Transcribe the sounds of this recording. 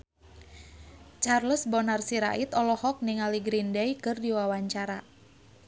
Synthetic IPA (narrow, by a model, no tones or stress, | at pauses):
t͡ʃarləsbɔnarsiɾa̰ʔit̪ɔlɔhɔk̚niŋaliɡɾindɛjkɨrdiwawaɲt͡ʃaɾa